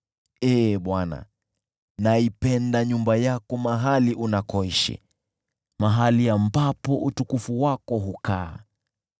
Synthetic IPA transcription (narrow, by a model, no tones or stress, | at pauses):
ɛːɓwana̰ | naipɛndaɲumbajakɔmaɦaliʔunakɔiʃḭ | maɦaliambapɔʔutukufuwakɔɦukaː